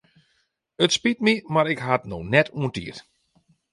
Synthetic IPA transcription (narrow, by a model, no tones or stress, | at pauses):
ətspitmimaɾɪkɦatnownɛtuə̃ntḭət